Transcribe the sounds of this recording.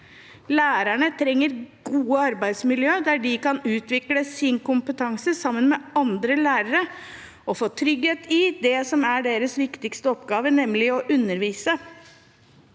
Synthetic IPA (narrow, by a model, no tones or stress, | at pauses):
læːɾæɳət̪ʰɾɛŋːəɾɡuːəɑɾbæɪd̪smɪljøːd̪æɖɪkɑnʉːt̪ʋɪkləsɪnkʊmpət̪ʰɑŋsəsɑmːənmɛɑnd̪ɾəlæːɾəɾə | ɔfoːt̪ʰɾʏɡheːt̪ʰɪd̪ɛsɔmæɖeːɾəsʋɪkt̪ɪkst̪əɔpɡɑːʋənɛmlɪɔʔʉnːəɾʋiːsə